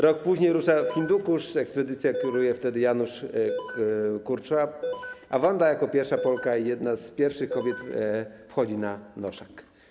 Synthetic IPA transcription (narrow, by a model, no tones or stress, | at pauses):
ɾɔk̚puʑɲejɾuʂafxʲind̪ukuʂɛkspɛd̪ɘt̪sʲjakʲuɾujɛft̪ɛd̪ɘjanuʂ | kuɾt͡ʂaavɔnd̪ajakɔpʲjɛɾfʂapɔlkaijɛd̪naspʲjɛɾfʂɘxkɔbʲjɛt̪fxɔd͡ʑinanɔʂak